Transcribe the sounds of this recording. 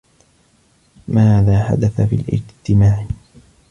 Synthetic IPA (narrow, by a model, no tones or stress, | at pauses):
maːðaːħa̰d̪aθafḭːlʔɪ̰d͡ʒt̪ɪmaːʕ